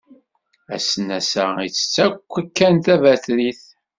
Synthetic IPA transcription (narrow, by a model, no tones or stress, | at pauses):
æ̰sənæsæ̰it͡sːə̥t͡sːækʷːækːænt̪ævæθliθ